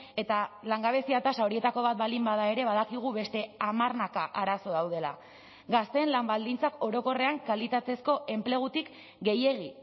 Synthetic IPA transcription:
e̞t̪alaŋɡaβ̞e̞siat̪asao̞ɾie̞t̪ako̞β̞at̪̚balimbaðae̞ɾe̞βaðakiɣ̞uβe̞st̪e̞amarnakaʔaɾaso̞ðawðe̞la̰ | ɡast̪e̞ːnlambald̪int͡sako̞ɾo̞ko̞re̞aŋkalit̪at͡s̪e̞sko̞ʔe̞mple̞ɣ̞ut̪ik | ɡe̞je̞ɣi

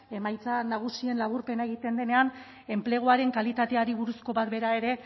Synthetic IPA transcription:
e̞majt͡sanaɣ̞usie̞nlaβuɾpe̞naeɣ̞it̪e̞nd̪e̞ne̞an | e̞mple̞ɣ̞oaɾe̞ŋkalit̪at̪e̞aɾiβuɾusko̞βat̪̚be̞ɾae̞ɾe̞

